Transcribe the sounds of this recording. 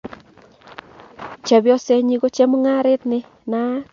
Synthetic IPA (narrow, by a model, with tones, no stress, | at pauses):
t͡ʃɛ˨bjɔ˦sɛ˦ɲi˦ɡo˦t͡ʃɛ˦mu˦ŋa˦ɾe˦tnɪ˦ | naː˦